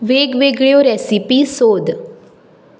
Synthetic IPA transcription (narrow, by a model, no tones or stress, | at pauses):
ʋeɡʋeɡɭijoɾɛsipisoːd̪